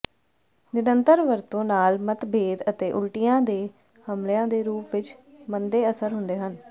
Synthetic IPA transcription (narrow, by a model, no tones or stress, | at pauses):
nɪɾənt̪əɾʋəɾt̪õːnaːlmət̪beːd̪ət̪eːʔʊlʈijãːd̪eː | həmlejãːd̪eːɾuːpʋɪt͡ʃ | mənd̪eːəsəɾɦʊnd̪eːɦən